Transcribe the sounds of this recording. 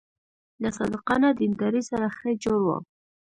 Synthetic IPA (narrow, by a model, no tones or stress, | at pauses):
lasɑ̰d̪ɪqɑnad̪ɪnd̪ɑɾisaɾaxəd͡ʒoɽwa̰